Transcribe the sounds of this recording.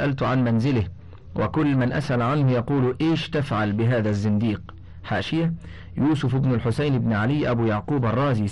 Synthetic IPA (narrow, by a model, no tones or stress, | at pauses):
ʔalt̪ʊʕanmanzɪlɪh | wʔa̰kʊlːmanʔa̰sʔalʕanhʊjɑquːlʔeːʃt̪afʕalbɪɦaːðazːɪnd̪iːq | ħaːʃɪja | juːsʊfɪbnalħʊsajnɪbnʕalɪjːʔabuːjɑʕquːbarˤːɑːziː